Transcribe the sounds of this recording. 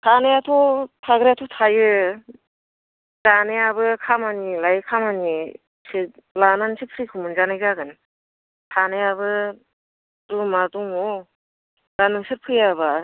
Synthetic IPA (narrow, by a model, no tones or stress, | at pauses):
tʰanɯjatʰɔtʰaɡɾeatʰutʰajɯ | zanejabɯkʰamanilajkʰamani | silanansʰik̚p̚ʰɾɯjkʰumɯnzanajzaɡɯn | tʰanejabɯ | ɾumaduŋo | danɯŋsɯɾ̚pʰɯjaba